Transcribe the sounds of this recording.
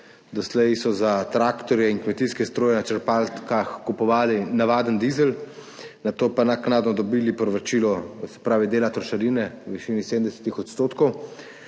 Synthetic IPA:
d̪ɔslɛjsɔzat̪ɾaːkt̪ɔɾjɛiŋnkmɛt̪iskɛst̪ɾoːjɛnat͡ʃɛɾpalt̪kaxkupɔʋaːlinaʋaːd̪ənd̪iːzɛl | nat̪oːpanaknaːd̪nɔd̪ɔbilipɾɔʋɾat͡ʃiːlɔsɛ̥pɾaːʋid̪eːlat̪ɾɔʃaɾinɛʋiʃiːniseːdmnd̪ɛsɛ̥t̪ixɔt̪st̪oːt̪kɔw

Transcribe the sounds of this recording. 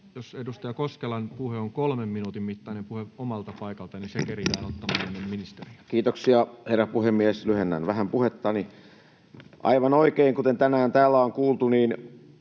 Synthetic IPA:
josedust̪ɑjɑkoskelɑnpuheoŋkolmemminuːt̪immit̪ːɑinempuheomɑlt̪ɑpɑikɑlt̪ɑninsekerijæːnot̪ːɑmɑːenːemminist̪erikiːt̪oksiɑherːæpuhemːieslyhenːæ̰nʋæhæmpuhet̪ːɑni | ʔɑ̰iʋɑnoikeiŋkut̪ent̪ænæːnt̪æːlːæoŋkuːlt̪uniːn

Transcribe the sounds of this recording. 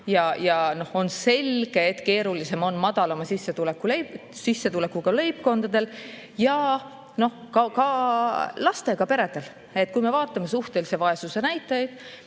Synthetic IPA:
jɑjɑno̞ho̞nse̞lɡ̥e̞et̪ːke̞ːɾulise̞mo̞nmɑd̪̥ɑlɑmɑsisːe̞t̪ulekːˑulejsisːe̞t̪ule̞kːuɡ̥ɑle̞jp̚ko̞nd̪̥ɑd̪e̞l | jɑ | no̞hkɑkɑ | lɑst̪e̞ɡ̥ɑpe̞ɾe̞d̪̥e̞l | e̞t̪̚ːˑkujme̞vɑːt̪ːˑɑme̞suht̪e̞lise̞vɑe̞suse̞næjt̪ːˑɑjd̪̥

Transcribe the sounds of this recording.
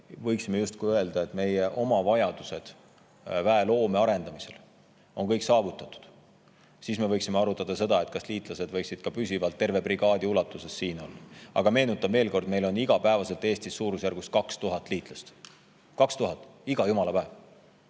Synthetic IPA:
vɤjksime̞just̪kuøe̞ld̪̥ɑe̞t̪me̞jeʔo̞mɑvɑjɑd̪̥use̞d̪̥ | væelo̞ːme̞ɑɾe̞nd̪̥ɑmise̞̰l | o̞nkɤjksɑːvut̪ːˑɑt̪ːˑu̥d̪̥ | siːsme̞vɤjksimeɑɾut̪ːˑɑd̪̥ɑse̞d̪̥ɑe̞t̪̚kɑsliːt̪ˑlɑse̞d̪vɤ̞jksid̪̥kɑpysʲivɑlt̪ːe̞rve̞priɡ̥ɑːd̪̥iulɑt̪ːˑuse̞sːiːno̞̰lːɑɑ̰ɡ̥ɑme̞ːnut̪ːˑɑbme̞ːlko̞rd̪me̞jlo̞niɡ̥ɑpæevɑse̞lt̪ːˑe̞ːst̪isːuːɾusjærɡ̥ust̪̚kɑkst̪uɦɑt̪ːˑliːt̪ˑlɑst̪ | kɑkst̪uɦɑt̪ːˑiɡ̥ɑjumɑlɑpæev̥

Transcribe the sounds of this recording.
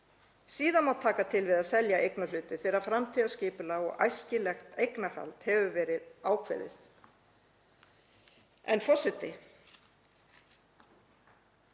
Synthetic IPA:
siːðanmawt̪ʰaːkat̪ʰɪlvɪðaðsɛljaʔejknalʏːt̪ɪθɛːɾafɾamt̪ʰiːðascɪːpʏlaɣɔ̰ɣa̰jscɪlɛxt̪ejknaha̰lt̪hɛvʏvɛːɾɪðaːwkʰvɛ̰ðɪ̰θ | ɛ̰nfɔsɪt̪ɪ

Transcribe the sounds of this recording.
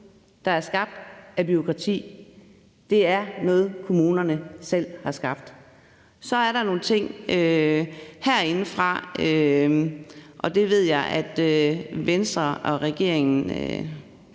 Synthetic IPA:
d̥ɑ̈æɐsɡ̥ɑ̈b̥̚d̥æb̥yo̝kʰʁɑ̈t͡sʰḭː | d̥e̝æɐnɔ̽ːð̩ˠkʰo̝muːnɐnəsel̰hɑ̈sɡ̥ɑ̈b̥d̥ | sɒ̽æɐɾɑ̈no̝ːn̩t͡sʰe̝ŋ̰ø | hæɐ̰e̝nəfʁɑ̈ø | ʔɒ̽d̥e̝ʋe̝ð̞̰ˠjɑ̈ɪʔæd̥øʋensd̥ʁɐɒ̽ʁɛɡ̥e̝ɐ̰eŋn̩ø

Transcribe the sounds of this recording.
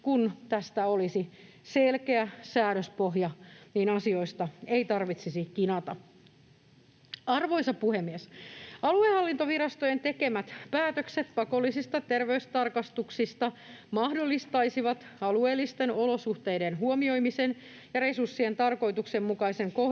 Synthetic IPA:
kunt̪æst̪æolisi | selkeæsæːɾøspoɦjɑniːnɑsio̞ist̪ɑeit̪ɑrʋit̪sisikinɑt̪ɑ | ɑrʋoisɑpuhemːiesɑluehɑlːint̪oʋiɾɑst̪ojent̪e̞ke̞mæt̪pæːt̪økset̪pɑko̞lːisist̪ɑt̪erʋeyst̪ɑrkɑst̪uksist̪ɑmɑhdolːist̪ɑisiʋɑt̪ɑlueːlːist̪enolo̞suht̪ejdenɦuomio̞jmisen | jɑɾesursːient̪ɑrko̞it̪uksemːukɑiseŋko

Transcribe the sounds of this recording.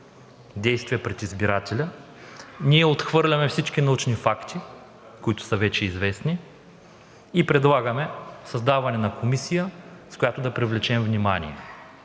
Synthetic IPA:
d̪ɛjst̪vijəpɾɛt̪izbiɾat̪ɛlʲə | niɛot̪xvɤɾlʲɐmɛfsit͡ʃkinɐut͡ʃnifakt̪ʰi | koit̪ʊ̥səvɛt͡ʃɛizvɛsni | pɾɛd̪lˠaɡɐmɛsɐzd̪avɐnɛnɐkʰomisijəskʊjat̪ʊd̪ɐpɾivlʲɛt͡ʃɛmvnimanḭɛ

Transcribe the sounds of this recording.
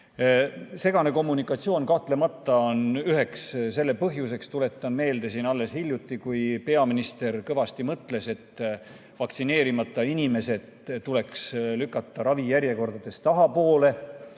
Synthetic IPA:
se̞ɡ̥ɑne̞ko̞mːunikːˑɑt̪sio̞ːnkɑht̪le̞mɑt̪ːˑɑonyɦe̞ksse̞lːepɤɦjus̬e̞kst̪ule̞t̪ːˑɑnme̞ːld̪̥e̞siːnɑlːe̞shilʲjut̪ːˑikujpe̞ɑminist̪e̞rkɤvɑst̪imɤt̪ˑle̞se̞t̪ː | vɑkt̪sine̞ːɾimɑt̪ˑːɑinʲime̞se̞d̪ | t̪ule̞kslykːˑɑt̪ˑːɑɾɑvijæɾje̞ko̞rd̪̥ɑd̪̥e̞st̪ɑɦɑpo̞ːle̞

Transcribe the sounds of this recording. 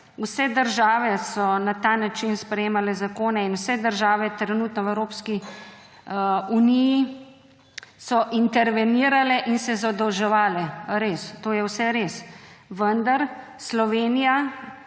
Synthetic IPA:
usɛd̪əɾʒaːʋɛsɔnat̪anat͡ʃinspɾɛjeːmalɛzakoːnɛinuwsɛd̪əɾʒaːʋɛt̪ɾɛnuːt̪nɔwɛwɾoːpski | uniji | sɔʔint̪ɛɾʋɛniːɾalɛʔinsɛzawd̪ɔwʒɛʋaːlɛɾeːst̪oːjɛwsɛɾeːsʋənd̪aɾ | slɔʋeːnija

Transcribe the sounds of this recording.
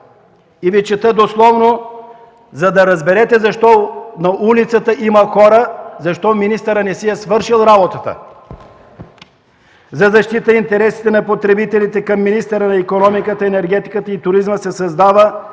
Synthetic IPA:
ivit͡ʃɛt̪əd̪oslˠɔvno | zɐd̪ɐɾɐzbɛɾɛt̪ɛzɐʃt̪ɔnɐʔulit̪sət̪əiməxɔɾəzɐʃt̪ɔminist̪əɾənɛsiɛsvɤɾʃilˠɾabot̪ət̪ə̰ | zɐzɐʃt̪it̪əint̪ɛɾɛsi̥t̪ɛnɐpot̪ɾɛbit̪ɛlit̪ɛkɐmːinist̪ɛɾənɐikonɔmikət̪əɛnɛɾɡɛt̪i̥kət̪əit̪ʊɾizməsɛsɐzd̪avə

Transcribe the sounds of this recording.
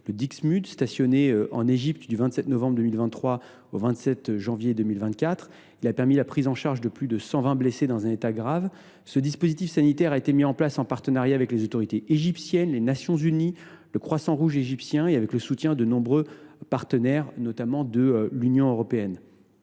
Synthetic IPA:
ləd̪iksmyd̪st̪asjɔneɑ̰̃neʒipt̪d̪yvɛ̃t̪sɛt̪nɔvɑ̃bʁd̪əmilvɛ̃nt̪ːχwa | ovɛ̃t̪sɛt̪ʒɑ̃vjed̪əmilvɛ̃nt̪̚kʲat̪χ | ilapɛʁmilapχizɑ̃ʃaʁʒd̪əplyd̪əsɑ̃vɛ̃blesed̪ɑ̃zɛ̃net̪aɡʁav | səd̪ispozit̪ifsanit̪ɛʁaet̪emiɑ̃plasɑ̃paʁt̪ənaʁjaːvɛklezot̪ɔʁit̪eʔeʒipsjɛnlenasjɔ̃zyni | ləkχwasɑ̃ʁuʒeʒipsjɛ̃eavɛkləsut̪jɛ̃d̪ənɔ̃bʁøpaʁt̪ənɛʁnɔt̪amɑ̃d̪əlynjɔ̃øʁɔpeɛn

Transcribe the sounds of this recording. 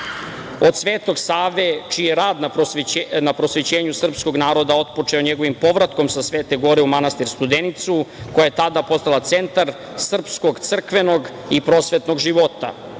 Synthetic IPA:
od̪sʋeːt̪o̞ɡsaːʋe̞t͡ʃijeɾaːd̪na | napɾo̞sʋet͡ɕeːɲusr̩psko̞ɡnaːɾo̞d̪ao̞t̪po̞t͡ʂe̞oɲeɡo̞ʋimpo̞ʋɾat̪ko̞msasʋeːt̪e̞ɡo̞ɾeumanast̪iɾst̪ud̪enit̪suko̞jajet̪ad̪apo̞st̪alˠat̪se̞nt̪aɾ | sr̩psko̞ɡt̪sr̩kʋeno̞ɡ | ipɾo̞ːsʋet̪no̞ɡʒiʋot̪a̰

